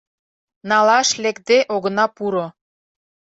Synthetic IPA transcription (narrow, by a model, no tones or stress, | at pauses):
nɑlɑʃlekd̪eʔoɣə̆nɑpuɾo